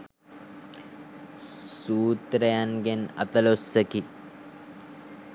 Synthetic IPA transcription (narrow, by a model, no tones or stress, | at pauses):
suːt̪ɾɐjanɡenɐ̰t̪ɐlosːəki